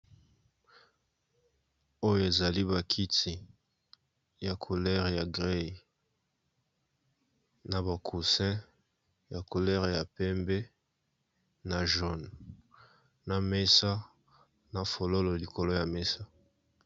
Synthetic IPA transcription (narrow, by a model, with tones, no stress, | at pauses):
o˦jo˨e˨za˨li˦βa˨kʰi˦ti˨ | ja˨kʰo˨lɛ˦ʁja˨ɡʁe˦˨ | na˨ba˨kʰu˨sɛ̃˦ | ja˨ko˨lɛ˦ʁja˨pɛ˦mbe˦ | na˨ʒɔ˨n | na˨me˦sa˦ | na˨fo˨lo˦lɔ˨li˨ko˨lo˦ja˨me˦sa˦